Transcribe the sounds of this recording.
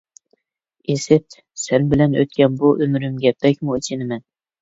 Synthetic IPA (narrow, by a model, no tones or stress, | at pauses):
esɪp̚ | sænbɪlɛnø̰t̪̚kʲʰɛnbuʔømɾymɡʲɛpːɛkʲmuit͡ʃʰɪnɪmɛn